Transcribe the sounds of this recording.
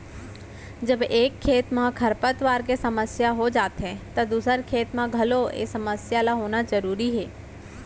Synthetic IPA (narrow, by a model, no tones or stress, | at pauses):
d͡ʒəbeːkʰːeːt̪mãkʰɐɾpət̪ʋaːɾk̬esɐməsjaɦod͡ʒaːt̪ɦɛ̃t̪ɐd̪uːsəɾkʰeːt̪mãɡʱɐloḛːsɐməsjalaɦoːnazəɾuːɾiɦɛː